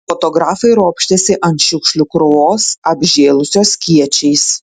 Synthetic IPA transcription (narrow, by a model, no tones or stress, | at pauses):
fot̪oɡɾɑːfɐɪɾoːpʲʃʲt̪ʲɛsʲɪʔɐnt̪ʃʲʊkʃʲlʲʊkɾʊʋoːsɐbʲʒʲeːlˠʊsʲoːskʲiɛt͡ʃʲɛɪs